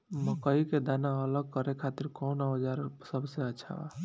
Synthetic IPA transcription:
məkəiked̪anaələɡ̚kəɾekʰat̪iɾkɔwnaəd͡ʒaɾpsəbseəːt͡ʃʰa̰

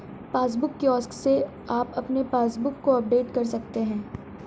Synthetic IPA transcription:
paːs̬bʊkːiɔːskse | aːpɐpnepaːsbʊkːoɐp̚ɖ̪eːd̪kɐɾsɐkt̪eɦɛ̃ː

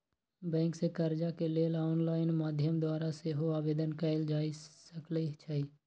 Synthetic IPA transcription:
bɛ̃ːŋksekəɾd͡ʒakeleːlaːnlaːɪnmaːd̪ʱjəmd̪waːɾaseɦoaːʋeːd̪ənkəɪld͡ʒaːisəklit͡ʃʰəiː

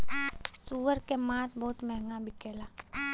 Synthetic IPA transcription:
suːʋəɾkemaːsbɔːt̪mɛɦŋɡabʱikeːlaː

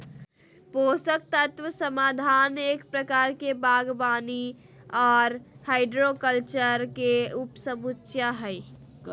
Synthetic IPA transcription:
poːsək̚t̪ət̪ʋəsəmaːd̪ʱaːneːkpɾəkaːɾkebaːɡbaːni | ɔːɾhaɪɖɾokəlt͡ʃəɾkeupsəmust͡ʃjaɦɛɪ

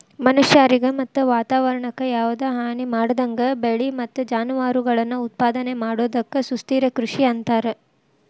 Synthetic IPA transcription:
mɐnɐʃjaːɾiɡɐmɐt̪ːuʋaːt̪aːʋɐɾɐɳɐkːɐjaːʋɐd̪eːɦaːnimaːɽɐd̪ɐŋɡɐbeɭimɐt̪ːud͡ʒaːnuʋaːɾuɡɐɭɐnːuut̪̚paːd̪ɐnemaːɽoːd̪ɐkːɐsust̪iːɾɐkɾuʂiɐnt̪aːɾe

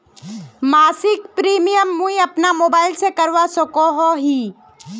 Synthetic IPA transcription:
maːsɪkpɾiːmijəmːũiɐpnamoːbaːɪlsekɐɾʋasɔkoɦoɦiː

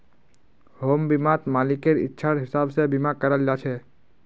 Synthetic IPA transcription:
hoːmbɪmat̪maːlɪkeɾɪ̰tːʃʰaɾɦɪsabsebɪmakəɾəld͡ʒat͡ʃʰe

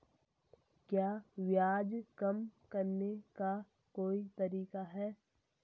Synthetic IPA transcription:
kjaːʋjaːd͡ʒkɐmkɐɾneka | koːit̪ɐɾiːkaɦɛː

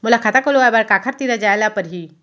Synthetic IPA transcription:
mulakʰat̪akoloabaɽkakʰaɾt̪iɾad͡ʑajlapəɾɦiː

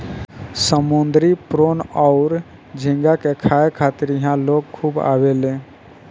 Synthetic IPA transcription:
səmund̪ɾipɾonaʊɾ | d͡ʒʱĩŋɡakekʰaekʰat̪iɾiɦãloɡ̚kʰuːba̰belẽ

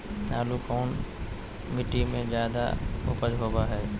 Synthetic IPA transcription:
naːlukɔːn | mɪʈimẽzjaːd̪a̰ʊ̰pəlɦoːbaɦɛː

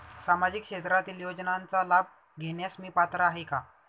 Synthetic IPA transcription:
samad͡ʑikɕet̪ɾat̪iːljod͡znant͡salab̚ʱ | ɡʱeɳjasmiːpat̪ɾaːɦeka

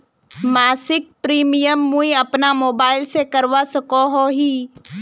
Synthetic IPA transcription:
maːsɪk̚pɾiːmijəmːũiɐpnamoːbaːɪlsekɐɾʋasɐkoɦoɦiː

